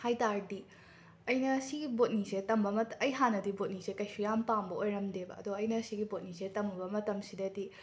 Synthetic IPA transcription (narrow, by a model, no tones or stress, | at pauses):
hajtaɾdi | ɐjnɐsiɡibot̚nisetɐmbɐmɐtɐjɦanɐdibot̚nisekɐjsujampambɐʔojɾɐmdebɐ̰ɐdoɐjnɐsiɡibot̚nisetɐmubɐmɐtɐmsidɐdi